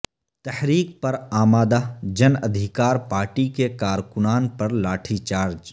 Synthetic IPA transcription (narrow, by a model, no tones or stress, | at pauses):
t̪ɛhɾiːk̚pɐɾaːmaːd̪aːd͡ʒɐnəd̪ʱɪkaːɾpaːɾʈikekaːɾkʊnaːnpɐɾlaːʈʰit͡ʃaːɾd͡ʒ